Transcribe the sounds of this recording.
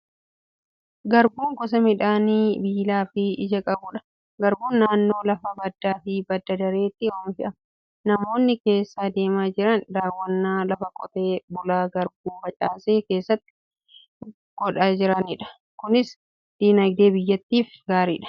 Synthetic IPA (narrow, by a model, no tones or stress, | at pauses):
ɡɐɾbuːŋkɔs̬ɐmɪᶑaːniːbiːlaːfɪɪd͡ʒɐkʼɐbuːᶑɐ̥ | ɡɐɾbuːnːaːnːo̞ːlɐfɐbɐd̪ːaːfɪbɐd̪ːɐd̪ɐɾe̞ːt̪ːɪoːmɪʃɪᶑɐ | nɐmo̞ːnːɪke̞ːsːaːd̪e̞ːmaːd͡ʒɪɾɐnd̪aːwːɐnːaːlɐfɐkʼɔt̪eːbʊlaːɡɐɾbuːmbɐt͡ʃʼaːseːke̞ːsːɐt̪ːɪ̥ | ɡ̥ɔᶑaːd͡ʒɪɾɐnɪᶑɐ̥ | kʊnɪs | d̪̥iːnɐjd̪e̞ːbɪjːɐt̪ːiːfɡaːɾḭːᶑɐ̥